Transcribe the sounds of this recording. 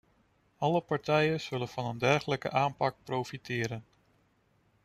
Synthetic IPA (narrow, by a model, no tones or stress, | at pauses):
ɑləpɑɹtɛjənz̥ɵlənv̥ɑnəndɛɹχələkə̰ʔaːnpɑk̚prowfitɪːɾən